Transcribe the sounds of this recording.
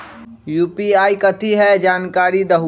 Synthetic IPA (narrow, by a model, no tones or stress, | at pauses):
juːpiaːikɐt̪ʰiɦɛd͡ʒaːnkaːɾid̪əɦ